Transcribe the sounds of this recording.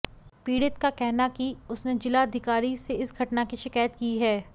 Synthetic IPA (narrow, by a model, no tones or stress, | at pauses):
piːɽɪt̪kakɛɦnakiʊsned͡ʒɪlaɐd̪ʱɪkaːɾiseɪsɡʱɐʈnakiʃɪkaːjət̪kiːɦɛː